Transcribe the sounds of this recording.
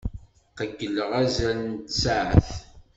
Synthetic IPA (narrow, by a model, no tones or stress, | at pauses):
qəɡːəlːəʁæzælənt̪saʕə̰θ